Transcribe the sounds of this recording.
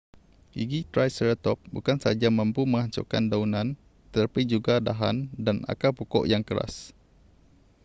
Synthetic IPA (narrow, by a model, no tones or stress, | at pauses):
iɡit̪ɾajsəɾət̪ɔp̚bṵkansəad͡ʒamə̃mpumə̃ŋaɲt͡ʃɔ̰ka̰ndaunãn | t̪ətapid͡ʒuɡadaɦandana̰kapokɔ̰ʔjaŋkəɾa̰s